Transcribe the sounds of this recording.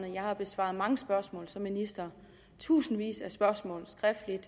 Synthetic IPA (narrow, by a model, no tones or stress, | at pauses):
n̩jɑ̈ɪhɑ̈b̥e̝sʋɑ̰̈ð̩ˠmɑ̈ŋəsb̥ɶɐsmɔ̰̽ːlsɒ̽mːinisd̥ɐ | t͡sʰṵːsn̩ʋḭːsæsb̥ɶɐsmɔ̰̽ːl̩ˠsɡ̥ʁɛfd̥lid̥